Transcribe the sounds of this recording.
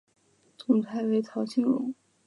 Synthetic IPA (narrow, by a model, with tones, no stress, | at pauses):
t͡sʊ˨˩ŋt̪ʰa˧˥ɪwe˧˥ɪt̪ʰɑ˧˥ʊt͡ɕʰi˥ŋwʊ̰˧˥˦ŋ